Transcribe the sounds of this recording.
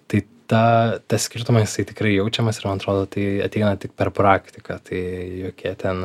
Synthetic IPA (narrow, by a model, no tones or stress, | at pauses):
t̪ɐɪ | t̪ɑːt̪ɐsʲkʲɪɾt̪ʊmɐjɪsɐɪt̪ʲɪkɾɐɪjɛʊt͡ʃʲɛmɐsɪrmɐnɐt̪ɾoːd̪oːt̪ɐɪɐ̰t̪ʲɛɪnɐt̪ʲɪkpʲɛɾpɾɑːkt̪ʲɪkɐt̪ɐɪjoːkʲiɛt̪ʲɛn